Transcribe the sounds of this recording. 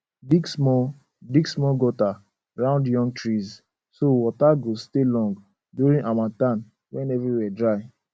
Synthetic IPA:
biɡsmɔ | diɡsmɔɡɔta | ɹãʊ̃ndjɔ̃ŋɡ̚tɹiz | sowɔtaɡostelɔ̃ŋɡ | duɹĩnamãtãn | wɛ̃nɛvɹiwɛdɹaɪ

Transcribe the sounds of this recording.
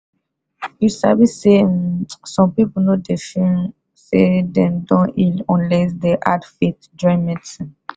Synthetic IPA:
ilsa̰bisesɔ̃pepnodefĩn | sedɛ̃dɔ̃ʔilɔ̃nlɛsdeʔa̰tfit̚ | d͡ʒɔ̃jmɛ̃t

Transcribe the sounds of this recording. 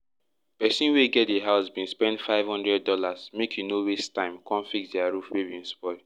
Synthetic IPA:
pɛsĩnweɡɛt̚deɦaʊsbĩnspɛ̃ndfaɪvhɔ̃ndɹɛd̚ːɔlasmekʰjunowestãɪ̃mkʰɔ̃nfiksdɛaɹufwebĩnspɔɪ

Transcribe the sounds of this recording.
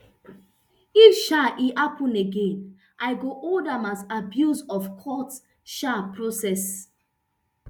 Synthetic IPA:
ifʃaʔihapʰũneɡẽn | ʔaɪɡoʔoldãmazabjuzɔfkʰɔt | ʃapɹosɛs

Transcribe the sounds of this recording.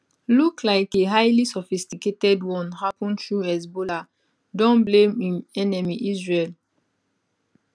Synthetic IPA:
lukʰlaɪkeɦaɪlisɔfistiketɛdwɔ̃nhapɔ̃ntɹuɛsbola | dɔ̃nblẽmĩnɛnɛmiʔizɹel

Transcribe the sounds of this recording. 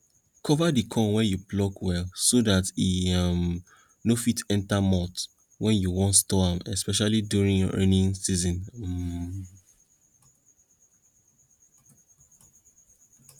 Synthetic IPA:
kʰɔvadikʰɔ̃nwɛjuplɔkwɛlsodatim | nofitɛ̃ntamɔt | wɛ̃njuwɔ̃ntstɔãmɛ̰spɛʃalidjuɹĩŋjɔ̰ɹã̰nĩŋsizɔ̃n̩

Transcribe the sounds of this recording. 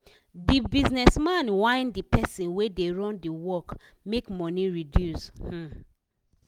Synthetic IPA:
dibiznɛsmãnwãɪ̃ndipʰɛsĩnwedeɹɔ̃ndiwɔk | mekmɔ̃niɹidjush̩

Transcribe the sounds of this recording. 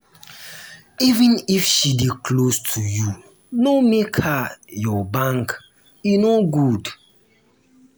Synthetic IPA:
ivə̃nifʃidikʰlostʰuju | nomekhajɔbãŋk | inoɡud

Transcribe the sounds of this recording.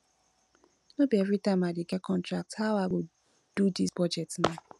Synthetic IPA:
nobeɾitamadiɡekɔntɾak̚thawaɡo | dudisbɔd͡ʒɛtna

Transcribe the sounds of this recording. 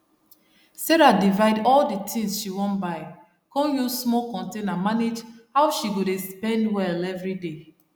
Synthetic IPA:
seɹadivaɪdɔldətʰĩŋsʃiwɔ̃nbaɪ | kɔ̃njuzsmɔlkɔ̃ntenamaned͡ʒhaʊʃiɡodespɛ̃ndwɛlɛvɹide

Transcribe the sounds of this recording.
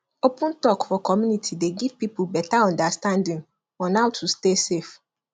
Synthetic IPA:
opʊ̃ntɔkfɔkʰɔmjũnitʰideɡiv̥pipubɛtaɔ̃ndastãndĩŋ | ɔ̃nawtʰustesef

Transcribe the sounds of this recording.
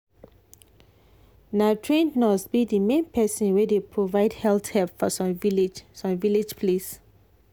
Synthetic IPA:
natʰɹẽndnɔsbidimẽnpʰɛsɔ̃nwɛdepʰɹovaɪdhɛlθhɛlpfɔsɔ̃mviled͡ʒsɔ̃mviled͡ʒpʰles

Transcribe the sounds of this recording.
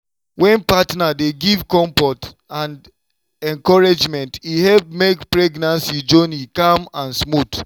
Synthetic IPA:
wɛ̃npatnadeɡivkɔ̃ɱfɔt | ãnd | ɛ̃ŋkɔɹed͡ʒmɛ̃ntihɛlp̚mekpɹɛɡnãnsid͡ʒonikamãnsmut

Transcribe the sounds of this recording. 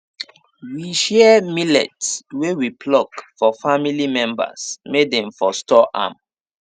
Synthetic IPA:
wiʃɛmilɛ̰tswewipʰlɔkfɔfamilimɛ̃mba̰smedɛ̃mfɔstɔʔa̰m

